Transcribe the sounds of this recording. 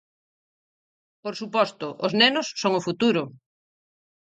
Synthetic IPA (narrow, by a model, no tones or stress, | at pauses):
poɾsupɔst̪ʊʔoznɛnʊsːoŋʊfut̪uɾʊ